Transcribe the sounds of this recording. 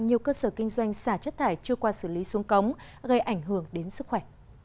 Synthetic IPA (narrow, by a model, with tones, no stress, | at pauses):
ŋɲi˨˩əwkəː˧səː˧˩kï˧ŋ̟zwa˧jŋ̟saː˧˩t͡ɕə˦˥t̚t̪ʰaː˧˩jt͡ɕɨ˧əkwaː˧sɨ˧˩li˨˦su˨˦əŋkə˨˦wŋ͡m | ɣə˧jʔa˧˩jŋ̟ɦɨ˧˩əŋɗe˨˦nsɨ˦˥k̚xwɛ˧˩